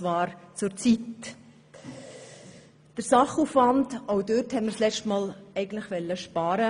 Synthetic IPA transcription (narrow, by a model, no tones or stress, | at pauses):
ʋɑːɾt͡sʊɾt͡sit | d̥əɾsɑχuːfvɑndoʊdøthɛnməɾslɛt͡ʃtmɑːlɛɪɡən̩tləχʋɛlːəʃpɑːɾə